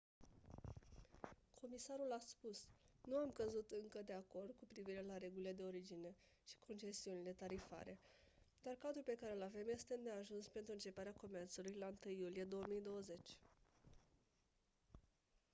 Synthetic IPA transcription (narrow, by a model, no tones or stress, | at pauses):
kʰo̞misaɾulaspusnuamkəzut̪ɨŋkəd̪e̞ako̞rd̪̚kupɾiviɾe̞laɾe̞ɡulile̞d̪e̞o̞ɾid͡ʒine̞ | ʃi̥kʰo̞nt͡ʃe̞siunile̞t̪aɾifa̰ɾe̞ | d̪̥arkad̪ɾulpe̞kaɾe̞lave̞mje̞st̪e̞neaʒunspe̞nt̪ɾuɨnt͡ʃe̞paɾeako̞me̞rt̪sulujlant̪ɨjːulije̞d̪o̞əmijd̪o̞wəze̞t͡ʃʲ